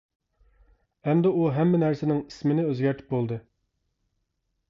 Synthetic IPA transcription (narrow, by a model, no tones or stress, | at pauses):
ɛmd̪ɛuɦɛmːɪnæɾsɪnɪŋi̥smɪnɪøzɡʲæɾt̪ʰɪ̥p̚bolˠd̪ɨ